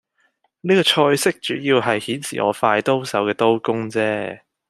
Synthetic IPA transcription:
niː˥kɔː˧t͡ʃʰɔː˧jsɪ˥k̚t͡ʃyː˨˥jiː˧wɦɐ˨jhiː˨˥nsḭː˨˩ŋɔ̰ː˨˧faː˧jt̪o˥wsɐ˨˥wkɛː˧t̪o˥wkʊ˥ŋt͡sɛː˥

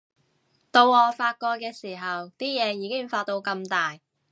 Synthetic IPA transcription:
t̪o˧wɔː˨faː˧t̚kɔː˧k̚kːɛː˧siː˨˩ɦɐ˨wt̪iː˥jɛː˨˧jiː˨˧kɪ˥ŋfaː˧t̚t̪o˧wkɐ˧mt̪aː˨j

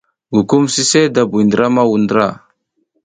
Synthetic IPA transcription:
ɡu˨ku˦msi˦se˦da˨bu˨i˨ndɾa˦ma˦wu˨ndɾa˦˨

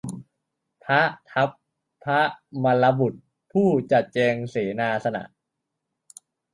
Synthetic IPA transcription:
pʰa˦˥t̪ʰa˦˥p̚ | pʰːa˦˥ʔma˧la˧bu˨˩t̪̚ | pʰuː˥˩t͡ɕa˨˩t̪̚t͡ɕɛː˧ŋseː˩˦naː˧sa˧na̰˨˩ʔ

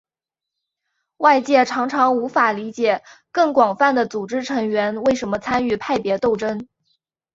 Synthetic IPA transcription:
wa˥˧ɪt͡ɕjɛ˥˩ʈ͡ʂʰɑ˧˥ŋʈ͡ʂʰɑ˧˥ŋu˧˥fa˨˩li˧˥t͡ɕjɛ˨˩kɤ˥˩ŋkwɑ˨˩ŋfa˥˩nd̪ə˩t͡su˨˩ʈ͡ʂɻ̩˥ʈ͡ʂʰɤ˧˥ŋɥɛ˧˥nwe˥˩ɪʂə˧˥nmə˧t͡sʰa˥ny˥˩pʰa˥˩ɪpjɛ˧˥t̪o˥˩ʊʈ͡ʂə˥n

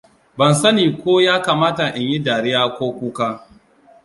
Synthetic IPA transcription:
bɐ˨nsɐ˦niː˨kʷoː˦jaː˦kaː˨maː˦ta˨ʔɪ˨ɲji˦daː˨ɽɪ˦jaː˦kʷoː˦kʷuː˦kaː˦

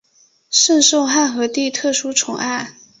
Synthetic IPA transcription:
ʂə˥˧nʂo˥˧ʊxa˥˩nxɤ˧˥t̪i˥˧t̪ʰɤ˥˩ʂu˥ʈ͡ʂʰʊ˧˥ŋʔa˥˩ɪ

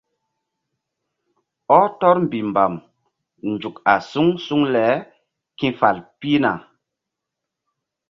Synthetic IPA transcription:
ɔ˦tɔ˦ɾm˨bi˨mba˨m | nd͡ʒu˨ka˨su˦ŋsu˦ŋlɛ˨˦ | kĩ˦fa˨lpi˦na̰˨

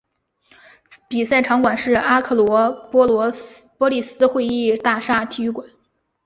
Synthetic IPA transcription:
pi˨˩sa˥˩ɪʈ͡ʂʰɑ˧˥ŋkwa˨˩nʂɻ̩˥˩a˥kʰɤ˥˩lwɔ˧˥pɔ˥ɔ˧˥ | pwɔ˥li˥˩sɹ̩˥xwe˥˧ɪi˥˧t̪a˥˩ʂa˥˩t̪ʰi˥y˥˩kwa˨˩˦n

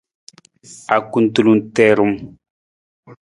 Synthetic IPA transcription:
a˨ku˦n˦tu˦˨lu˨ntɛ˦ɾu˦m

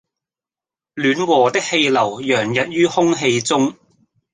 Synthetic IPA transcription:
lyː˨˥nwɔː˨˩t̪ɪ˥k̚he˧jlɐ˨˩wjœː˨˩ŋjɐ˨t̚jyː˥hʊ˥ŋɦe˧jt͡sʊ˥ŋ

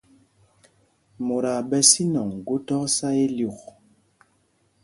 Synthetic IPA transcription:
mo˨ɾa˨bɛ˦si˦nɔ˨ŋ˨ɡo˦tɔ˦ksa˦je˦lu˨k

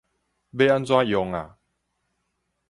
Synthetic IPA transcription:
be˦a˦nt͡swã˦jɔ˨˦ŋa̰˨

